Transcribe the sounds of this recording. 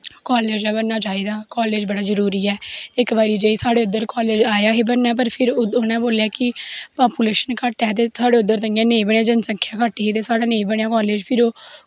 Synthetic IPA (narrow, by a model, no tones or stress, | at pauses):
kɔːleːd͡ʒɛːbənːaːt͡ʃaːiːd̪aːkɔːleːd͡ʒbəɽaːzəɾuːɾiːɛːɪkbaːɾiːd͡ʒeːiːsaːɽeːʊd̪ːəɾkɔːleːd͡ʒaːjaːɦeːbənːɛːp̬əɾpʰɪɾonãːboːljaːkɪpaːpuːleːʃənkəʈɛːt̪̬eːsaːɽeːʊd̪əɾt̪əŋɡãːnẽːbəɳãːd͡ʒənsə̃ŋkʰjãːkaːʈːiːɦeːt̪̬eːsaːɽaːnẽĩːbəɳjaːkɔːleːd͡ʒpʰɪɾoː